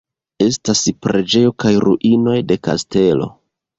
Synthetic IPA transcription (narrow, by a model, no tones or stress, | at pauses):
e̞staspɾe̞d͡ʒe̞jo̞kajɾṵʔino̞jde̞ka̰ste̞lo̞̰